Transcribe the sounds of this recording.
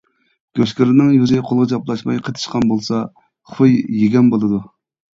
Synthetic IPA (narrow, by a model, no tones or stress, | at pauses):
ɡ̥ʲøʃkʲiɾɪnɨŋjyzɪqʰolˠʁət͡ʃɑplˠɑʃmɑjqʰət̪ʰɨ̥ʃqɑnbolˠsɑ | χʰpɨjːeɡʲɛnbolˠɨd̪u